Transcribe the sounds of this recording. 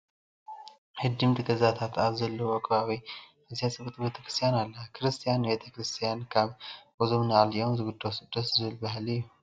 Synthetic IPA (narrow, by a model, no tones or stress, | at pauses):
hɨd̪ɨmt̪ʰɨɡəzat̪ʰat̪aβzɐlːəwɔkʼβawij | əziasʼɨβɨt̪ʼbet̪ʰə̥kʰɾɨ̥st̪ʰjanalːəkʰɾɨst̪ʰijanbet̪ʰəkɾɨst̪ʰijankʰaβwɔzomɨnaljɛwnzɨɡud̪ːawsɨd̪ːət̪zɨɨlbaɦlijːu